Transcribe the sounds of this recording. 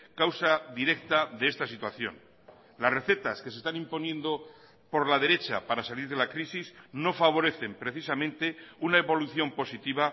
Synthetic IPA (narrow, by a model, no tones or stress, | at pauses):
kawsaðiɾe̞k̚t̪aðeest̪asit̪waθjo̞̰n | lasre̞θe̞t̪aske̞se̞st̪anĩmpo̞njẽ̞nd̪o̞ | po̞ɾlað̞e̞ɾe̞t͡ʃa̰paɾasaliɾðe̞lakɾisizno̞faβ̞o̞ɾe̞θe̞mpɾe̞θisamẽ̞nt̪e̞unae̞βo̞luθjo̞mpo̞sit̪iβa